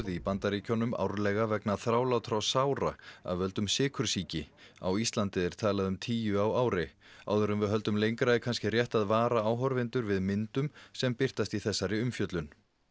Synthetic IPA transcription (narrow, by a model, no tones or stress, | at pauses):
ðipant̪aɾicʰɔnʏma̰wɾlɛɣavɛknaθɾaːwlawt̪ʰɾawsawɾa̰a̰ðvɪhœlt̪ʏmsɪːkʰʏɾ̥siːcɪ | a̰wist̪lant̪ɪðɪɾ̥t̪ʰaːlaðʏmt̪ʰiːjʏawaːwɾɪa̰wðʏɾʏmvɪɦœlt̪ʏmlejŋkɾaɪkʰanscɪrjɛht̪aðvaːɾaawɦɔɾvɪnt̪ʏɾvɪðmɪnt̪ʏmsɛmpɪr̥t̪ast̪iθɛsːaɾɪʏmfjœt̪lʏn